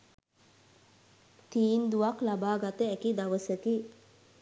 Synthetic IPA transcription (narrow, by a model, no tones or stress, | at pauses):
t̪iːnd̪uʋaklabaːɡat̪əækid̪aʋəsəki